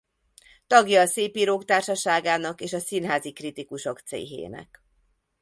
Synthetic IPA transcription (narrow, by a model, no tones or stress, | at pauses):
t̪ɒɡjɒːseːpiːɾoːkt̪aːrʃɒʃaːɡaːnɒkeːʃɒsinɦaːzikrit̪ikuʃokt̪sḛːɦḛːnɛ̰k